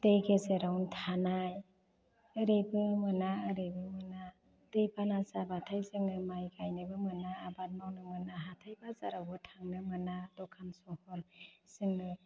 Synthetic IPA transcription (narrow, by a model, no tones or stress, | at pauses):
d̥ejɡezeɾawntʰanaj | ɯɾebɯmɯnaɯɾebɯmɯna | d̥ejbanasabatʰajzɯŋnɯmajɡajnɯbɯmɯnaːbat̚mawnɯmɯnaɦatʰajbaza̰ɾawbɯtʰaŋnɯmɯnadɔkʰansɔhɔlsɯŋɯ